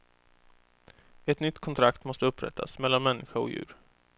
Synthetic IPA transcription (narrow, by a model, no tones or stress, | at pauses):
ɛt̪nʏt̪ːkʰɔnt̪ʰɾakt̪mɔst̪əɵpːɾɛ̰t̪ʰːa̰smɛlːanmɛnːʔɪɧaɔ̰jʉ̟ːɾ